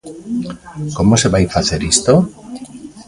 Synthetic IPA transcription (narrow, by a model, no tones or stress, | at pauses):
komoseβajfaθeɾist̪o